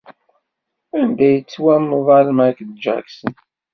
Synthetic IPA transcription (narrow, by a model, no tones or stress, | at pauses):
ænd̪æjət͡sːwæməðˤɑlmækd̪d͡ʒæ̰ksən